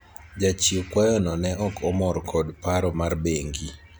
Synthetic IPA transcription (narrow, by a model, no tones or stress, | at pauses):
d͡ʒat͡ʃiokwajɔnɔnɛʔɔkʰɔmɔɾkʰɔdpaɾɔmarbeŋɡi